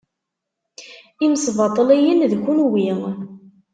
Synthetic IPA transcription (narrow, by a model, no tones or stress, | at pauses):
imsvɑt̪ˤːəlæjənðçunwim